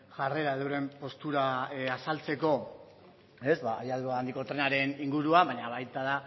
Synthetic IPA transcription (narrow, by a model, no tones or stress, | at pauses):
ʝare̞ɾaðewɾe̞mpo̞st̪uɾaasalt͡se̞ko̞ | e̞zβajaðuand̪iko̞t̪ɾe̞naɾe̞niŋɡuɾuaβaɲaβajt̪aða